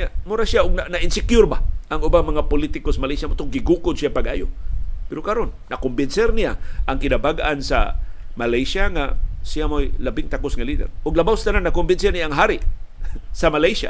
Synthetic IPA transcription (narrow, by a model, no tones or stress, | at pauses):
amʊɾasjaʔʊɡ̚nanaʔɪnsɪkjʊɾbaʔaŋʊbamaŋapʊlit̪ɪkosmalajsamʊt̪ʊɡɪɡukʊd̪̚sjapaɡʔa̰ːjopɛɾokaɾonːakʊmbɪnsɛɾnɪja̰ʔaŋkɪnabaɡansa̰ | malajsaŋasɪjamojlabɪŋt̪akʊsŋalid̪ɛ̰ɾʔʊɡ̚labawsḁt̪anannakʊmbɪnsɛɾnɪjaʔːŋɦaɾɪʔ | samalajsa̰